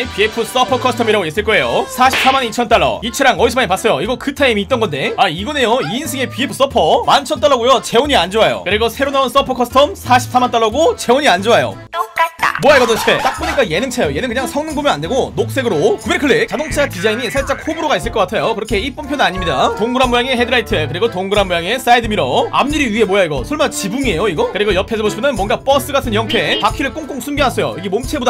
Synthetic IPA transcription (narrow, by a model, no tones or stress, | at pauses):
piepʰɯs͈ʌpʰʌkʰʌsʰtʰʌmiɾaɡojes͈ɯɭk͈ʌe̞josʰaɕʰi̥p̚s͈amanit͡ɕʰʌnt͈aɭːʌ̰it͡ɕʰɯɾaŋʌisʰɯmaɲipas͈ʌjoiɡʌkɯtʰaimiːt͈̚ʌnɡʌnde̞aiɡʌnejoiːnsʰɯɡe̞pie̞pʰɯ̥s͈ʌpʰʌmant͡ɕʰʌnt͈aɭːʌɡojot͡ɕe̞oɲiand͡ʑoajo̰kɯɾeɡʌsʰe̞ɾonauns͈ʌpʰʌkʰʌsʰɯ̥tʰʌmsʰaɕʰi̥ps͈ʰamant͈aɭːʌɡot͡ɕe̞oɲiand͡ʑoajo̰ | moaeɡʌdot͡ɕʰet͈ak̚p͈oɲik͈aje̞nɯŋt͡ɕʰajoje̞nɯnkɯɲaŋsʰʌŋnɯŋbumjʌnandeɡonok̚s͈e̞ɡɯɾokɯbekʰɯɭːet͡ɕadoŋt͡ɕʰakid͡ʑaiɲisʰaɭt͡ɕ͈akʰhobuɾoɡais͈ɯɭk͈k͈atʰajokɯɾʌkʰe̞ip͈ʌmpʰjonɯnaɲimɲidatoŋɡɯɾamːojaŋe̞ɦedɯɾaitʰɯekɯɾiɡotoŋɡɯɾamːojaŋes͈aidɯmiɾʌa̰mɲɯɾiɥiɦe̞mojaiɡʌsʰoɭmant͡ɕibuŋie̞joiɡʌkɯɾiɡʌjʌpʰesʰʌboɕʰimʰʌnɯnmwʌnɡap͈ʌs͈ɯɡatʰɯnjʌŋtʰe̞pakʰiɾɯɭk͈uŋk͈uŋsʰumɡiɦas͈ʰʌjo̰iɡemomt͡ɕʰe̞boda